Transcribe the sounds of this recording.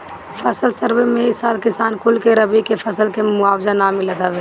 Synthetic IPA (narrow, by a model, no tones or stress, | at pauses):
fʰəsəlsəɾwemẽɪsaːlkɪsaːnkʰʊlkeɾəbikefʰɐsəlkemʊaːwzanamɪləd̪aːʋeː